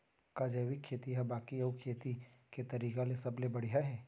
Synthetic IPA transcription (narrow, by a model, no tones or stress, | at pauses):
kad͡ʒɛːʋɪkʰːeːt̪iɦɛbaːkiɐukʰeːt̪iket̪ɐɾiːkalesɐblebɐɽ̤ijaɦɛː